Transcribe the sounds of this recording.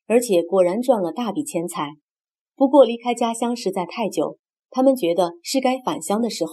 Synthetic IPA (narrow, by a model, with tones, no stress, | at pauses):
ə˞˧˥t͡ɕʰjɛ˨˩kwɔ˨˩ɻa˧˥nʈ͡ʂwa˥˩nlə˩t̪a˥˩pi˨˩t͡ɕʰjɛ˥nt͡sʰa˥˩ɪ | pu˧˥kwɔ˥˩li˧˥kʰa˥ɪt͡ɕja˥ɕjɑ˥ŋʂɻ̩˧˥t͡sa˥˧ɪt̪ʰa˥˩ɪt͡ɕjo̰˨˩˦ʊ | t̪ʰa˥mə˨nt͡ɕɥɛ˧˥d̪ə˧ʂɻ̩˥˩ka˥ɪfa˨˩nɕjɑ˥ŋd̪ə˨ʂɻ̩˧˥x